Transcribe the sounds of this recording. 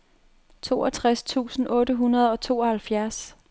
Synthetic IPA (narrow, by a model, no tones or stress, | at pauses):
t͡sʰo̝̰ːɒt͡sʰʁast͡sʰṵːsn̩ʔɔ̽ːɾəɦunɐð̞ˠɒ̽t͡sʰo̝̰ːɒ̽hælfjæɐs